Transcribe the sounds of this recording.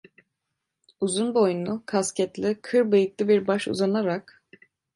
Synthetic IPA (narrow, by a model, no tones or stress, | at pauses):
uzunbo̞jnukʰascɛt̪lʲikʰɯɾbɯjɯk̪lˠɯbiɾbaʃṵzanaɾak